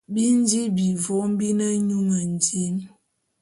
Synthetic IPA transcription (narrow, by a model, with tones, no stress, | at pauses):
bi˦n˦di˦bi˨vɔ˦m˦bi˦nə˦ɲu˦ŋə˨n˨di˦n